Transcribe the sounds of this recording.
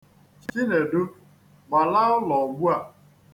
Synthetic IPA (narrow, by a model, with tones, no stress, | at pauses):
t͡ʃi˦ne˨do˦ | ɡ͡ba˨la˦ʊ˦lɔ˨ɡ͡bʷu˦a˨